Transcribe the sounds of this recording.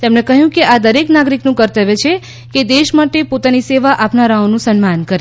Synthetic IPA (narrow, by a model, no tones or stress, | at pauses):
t̪emnekəɦjũkeʔad̪əɾeknaɡɾiknũkəɾt̪əʋet͡ʃʰe | ked̪eʃmaʈepot̪aniseʋaʔapnaɾaonũsənmankəɾe